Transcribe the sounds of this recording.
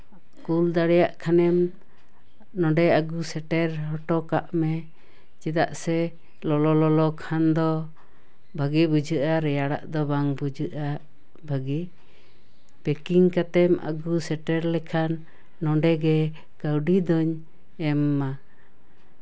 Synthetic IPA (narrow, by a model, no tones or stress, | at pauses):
kuld̪aɽɛjaʔkʰanɛm | nɔ̃ɖɛaɡusɛʈɛɾɦɔʈɔkaʔmɛ | t͡ʃɛd̪aʔsɛ | lɔlɔlɔlɔkʰand̪ɔ | bʱaɡɛbud͡ʒʱɨʔaɾɛjaɽa̰ʔd̪ɔbaŋbud͡ʒɨʔa | bʱaɡi | pɛkiŋkat̪ɛma̰ɡusɛʈɛɾlɛkʰanː | ɔɖɛɡɛ | kəwɖid̪ɔɲ | ɛmːa